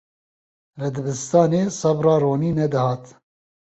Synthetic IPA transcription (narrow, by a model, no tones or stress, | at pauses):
lɨd̪ɨbɨst̪ɑːneːsɑbrɑːroːniːnɛd̪ɨhɑːt̪